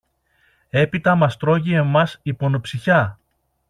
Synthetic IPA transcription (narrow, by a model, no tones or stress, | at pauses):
e̞pit̪ɐmɐst̪ɾo̞ʝie̞mɐsipo̞nopsiçɐ